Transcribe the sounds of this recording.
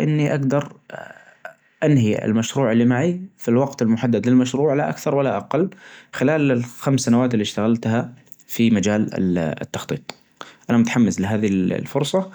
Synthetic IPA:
ʔɪnːiʔaɡd̪ɑɾˤ | ʔanɦiɪ̰lmaʃɾuːʕɪlːimaʕifilwɑɡt̪ɪlmʊħad̪ːad̪lɪlmaʃɾuːʕlaʔa̰kθɑɾˤwalːaʔaqɑlːxɪlaːlɪlxamsːanawaːt̪ɪlːiʃt̪aɣalt̪ha | fimad͡ʒaːlɪ̰ɪ̰t̪ːɑxt̪ˤiːt̪ˤ | ʔanamʊt̪aħamːɪslɪɦaːðil̰lfʊɾsˤɑ

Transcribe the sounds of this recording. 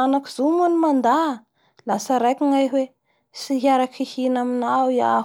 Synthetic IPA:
anakizomunimand̪a | lasəɾajkʲiŋajɦwe | siɦiaɾakʰihinaminawia̰

